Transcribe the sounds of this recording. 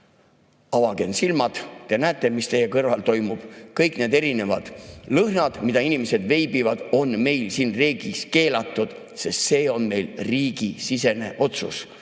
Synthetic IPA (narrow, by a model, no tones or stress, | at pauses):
ɑvɑɡe̞nsilmɑd̪̥t̪e̞næːt̪ːˑe̞mist̪e̞jːekɤrvɑlt̪o̞jmub̥kɤjkne̞ːd̪e̞ɾine̞vɑ̰d̪̥lɤhnɑd̪̥mid̪̥ɑinimese̞d̪ve̞jbivɑd̪̥o̞nme̞jlsiːnre̞ːɡiske̞ːlɑt̪ːˑud̪̥ | se̞st̪se̞ːo̞nme̞jlriːɡ̥isise̞ne̞̰ʔo̞t̪sṵs